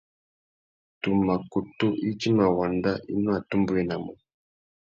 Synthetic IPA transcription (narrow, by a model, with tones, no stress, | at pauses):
tu˨ma˨ko˨to˦ʔi˦t͡ʃi˦ma˨wa˨nda˦ʔi˦nɔ˦a˨tu˦mbu˦jɛ˦na˨mɔ˨